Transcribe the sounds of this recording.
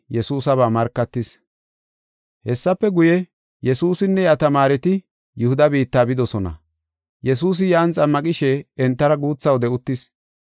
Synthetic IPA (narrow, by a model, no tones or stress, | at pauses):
jɛsuːsɐβaːmɐɾkːɐt̪ːɪs | hɛsːɐpːɛɡʊjɛ | jɛsuːsɪnːɛjat̪ɐmaːɾɛt̪ɪ | jʊhʊd̪ɐbiːt̪ːaːbɪd̪ɔsɔnɐ̰ | jɛs̬uːs̬ɪjaːnt͡sʼɐmːɐkʼɪʃɛɛnt̪ːɐɾɐɡuːt͡sːɐwd̪ɛʊt̪ːɪs